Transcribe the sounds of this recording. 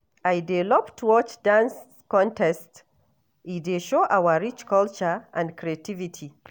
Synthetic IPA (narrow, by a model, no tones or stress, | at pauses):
ʔajdɛlɔptʰwɔt͡ʃdãns | kɔ̃ntɛst | ʔideʃoʔawaɾit͡ʃkɔlt͡ʃaʔã̰ndkɾiativitʰi